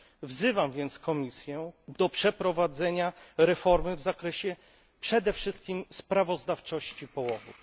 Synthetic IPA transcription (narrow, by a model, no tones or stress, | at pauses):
vzɘvamvʲjɛnt̪skɔmʲisʲjɛd̪ɔpʂɛpɾɔvad̪zɛɲaɾɛfɔɾmɘvzakɾɛɕɛ | pʂɛd̪ɛfʂɘst̪̚kʲimspɾavɔzd̪aft͡ʂɔɕt͡ɕipɔwɔvṵf